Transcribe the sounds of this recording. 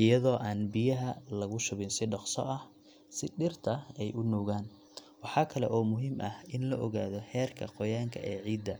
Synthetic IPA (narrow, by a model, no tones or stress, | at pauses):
ɪjɐðɔːʔaːnbɪjɐɦɐlɐɣʊʃʊβɪnsɪɖɑqsɔ̰ʔɐh | sɪɖɪrt̪ʰɐɛjʔʊnuːɣaːn | wɑħɑːkʰɐlɛ̰ʔɔːmʊɦiːmʔɐhɪnlɐʔɔɣaːðɔhɛːrkʰɐqɔjaːŋkʰɐ̰ʔɛːʕiːd̪ːɐ